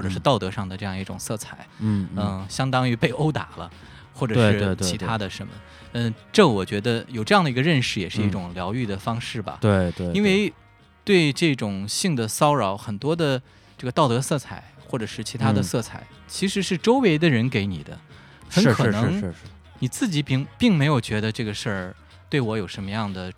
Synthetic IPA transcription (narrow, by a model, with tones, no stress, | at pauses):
xwɔ˥˩ʈ͡ʂɤ˨˩ʂɻ̩˥˧t̪ɑ˥˩ʊt̪ɤ˧˥ʂɑ˥˩ŋd̪ə˩ʈ͡ʂɤ˥˧jɑ˥˧i˥˩ʈ͡ʂʊ̰˨˩ŋsɤ˥˩t͡sʰa˨˩˦ɪ˥ə˧ɕjɑ˥ŋt̪ɑ˥ŋy˧˥pe˥˩ɪʔo˥ʊt̪a̰˨˩lə̰˦ | xwɔ˥˩ʈ͡ʂɤ˨˧˩ʂɻ̩˥e˥˧t͡ɕʰi˧˥t̪ʰa˥d̪ə˨ʂə˧˥nmə̰˧ | ə˧ʈ͡ʂɤ˥˩wɔ˨˩t͡ɕɥɛ˧˥d̪ə˧jo˨˩ʊʈ͡ʂɤ˥˧jɑ˥˩ŋd̪ə˩i˧˥ɡə˧ɻə˥˧nʂɻ̩˥˩jɛ˨˩ʂɻ̩˥˧i˥˩ʈ͡ʂʊ˨˩ŋljɑ˧˥ʊy˥˩d̪ə˩fɑ˥ŋʂɻ̩˥˩bɐ̰˩t̪we˥˩t̪wi˥nwe˥˧ɪ | t̪we˥˧ɪʈ͡ʂɤ˥˩ʈ͡ʂʊ˨˩ŋɕi˥˩ŋd̪ə˩sɑ˥ʊɻɑ˧˥ʊxə˨˩nt̪wɔ˥d̪ə˨ | ʈ͡ʂɤ˥˩ɡə˩t̪ɑ˥˩ʊt̪ɤ˧˥sɤ˥˩t͡sʰa˨˩˦ɪxwɔ˥˩ʈ͡ʂɤ˨˩ʂɻ̩˥˩t͡ɕʰi˧˥t̪ʰa˥d̪ə˨sɤ˥˩t͡sʰa̰˨˩ɪ | t͡ɕʰi˧˥ʂɻ̩˧˥ʂɻ̩˥˩ʈ͡ʂo˥ʊwe˧˥ɪd̪ə˧ɻə˧˥nke˧˥ɪni˨˩d̪ə̰˦ | xə˧˥n˥kʰɤ˨˧nɤ˧ŋ˥˧ | ni˨˩t͡sɹ̩˥˩t͡ɕi˧˥pŋpi˥˩ŋme˧˥ɪjo˨˩ʊt͡ɕɥɛ˧˥d̪ə˧ʈ͡ʂɤ˥˩ɡə˩ʂə˥˩ | t̪we˥˩ɪwɔ˧˥jo˨˩ʊʂə˧˥nmə˧jɑ˥˩ŋd̪ə˩